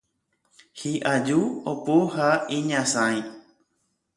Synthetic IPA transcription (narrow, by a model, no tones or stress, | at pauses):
hiʔad͡ʒuopohaĩɲãsãĩ